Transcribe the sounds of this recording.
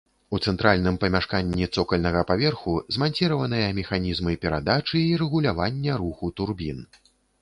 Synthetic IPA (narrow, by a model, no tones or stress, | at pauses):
ut̪sɛnt̪ɾalʲnɨmpɐmʲaʂkanʲːit̪sɔkɐlʲnɐɣɐpavʲɛrxuzmanʲt͡sʲiɾɐvɐnɨjɐmʲɛxanʲizmɨpʲɛɾad̪at͡ʂɨːɾɛɣulʲavanʲːɛɾuxut̪urbʲin